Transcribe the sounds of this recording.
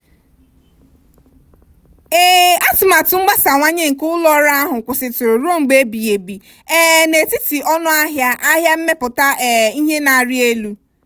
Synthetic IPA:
e˦a˦tʊ˨ma˨tʊ˨ŋ͡m̩˦ɡ͡ba˦sa˨ŋʷa˦ɲe˦ŋ̩˨kʊ˦lɔ˦ɾa˦a˦ɦʊ˨kʷʊ˨sɪ˨tʊ˨ɾʊ˨ɾo˦˨ŋ͡m̩˨ɡ͡be˦bi˨e˨bi˨ | ɛ˦ne˨ti˦ti˨ɔ˦nʊ˦a˦ɦja˦ʔa˦ɦja˦m̩˦me˦pʊ˨ta˦ʔɛ˨i˦ɦe˦na˨ɾɪ˦e˦lu˦

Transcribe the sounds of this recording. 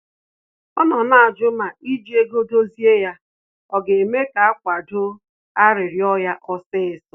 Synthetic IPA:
ɔ˦nɔ˨na˨a˨d͡ʒʊ˦ma˨i˦d͡ʒi˦e˦ɡo˦do˦zi˦e˦ja˦ | ɔ˨ɡe˨e˨me˦ka˨a˦kʷa˨dʊ˦ | a˦ɾɪ˨ɾjɔ˦ja˦ʔɔ˦sɪ˦ɪ˨sɔ˨

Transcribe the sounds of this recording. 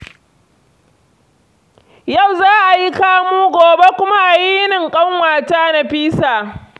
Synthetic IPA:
ja˦˨wzaː˦ʔa˨ji˦kaː˦muː˦ɡʷoː˨be˦kʷʊ˦ma˦ʔa˨ji˦nɪ˨ŋkʼɐ˦ŋwaː˨taː˦na˨ɸiː˦saː˨

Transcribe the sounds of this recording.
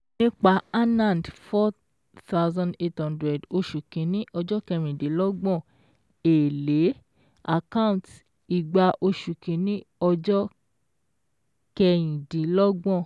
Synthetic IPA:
nĩ˦k͡pa˧˦a˦nã˦˨dfɔ˦ | t̪a˦ʊzã˧nde˦thɔ̃˦ndɾɛ˨do˧ʃu˨kĩ˨˦nĩ˦ʔɔ˧d͡ʒɔ˦kɛ˧ɾ̃ĩ˨di˨˦lɔ˦ɡ͡bɔ̃˦˨ | e˨le˨˦ | a̰˨kã˦ũ˨t | i˨ɡ͡ba˧ʔo˧ʃu˨kĩ˨˦nĩ˦ɔ˧d͡ʒɔ˦ | kɛ˧ɾ̃ĩ˨di˨˦lɔ˦ɡ͡bɔ̃˦˨

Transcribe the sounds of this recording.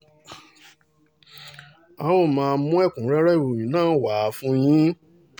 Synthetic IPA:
a˨w̃ɔ̃˦˨mãː˧˦mũ˦ɛ˦˨kũ˨˦ɾɛ˦ɾɛ˦i˨ɾo˨jĩ˨˦nãː˦˨˦wa˨˦fũ˦j̃ĩ˦

